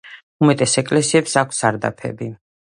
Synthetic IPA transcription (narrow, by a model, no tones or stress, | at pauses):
umɛt̪ʼɛsɛkʼlɛsiɛpsakʷʰsaɾd̪a̰pʰɛ̰bi